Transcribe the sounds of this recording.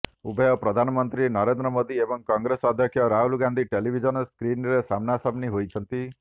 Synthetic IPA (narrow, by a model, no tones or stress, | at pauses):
ubɔjɔpɾɔd̪ʱanɔmɔnt̪ɾinɔɾend̪ɾɔmod̪iebɔŋkɔŋɡɾesɔd̪ʱjɔkʰjɔɾaɦulɡand̪ʱiʈelibʱid͡ʒɔnɔskɾinɾesamnasabniɦojt͡ʃʰɔnt̪i